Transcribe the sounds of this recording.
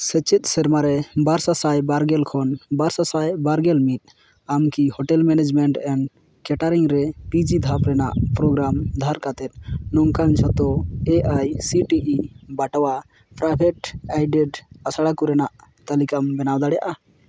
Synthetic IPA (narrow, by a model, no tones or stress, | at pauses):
sɛt͡ʃɛt̪̚ˀsɛɾmaɾɛbaɾsasajbaɾɡɛlkʰɔnbaɾsasajbaɾɡɛlmit̪̚ˀ | amkihɔʈɛlmɛnɛd͡ʒmɛɳʈɛɳɖ | kɛʈaɾiŋɾɛpid͡ʒid̪ʱapɾɛnaʔpɾɔɡɾamd̪ʱaɾkat̪ɛt̪̚ˀnɔŋkant͡ʃʰɔt̪ɔɛʔajsiʈiʔibaʈawa | pɾabʱɛʈajɖɛɖasaɽakuɾɛnaʔ | t̪alikambɛnawd̪aɽɛja̰ʔa